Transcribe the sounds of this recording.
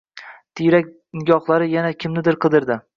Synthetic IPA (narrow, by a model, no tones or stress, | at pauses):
t̪ʰɪjɾak̚ʲ | nɪɡʲɒχlˠaɾɪjanakʲʰɪmnɪd̪ɪɾqʰɨd̪ɪɾd̪ɪ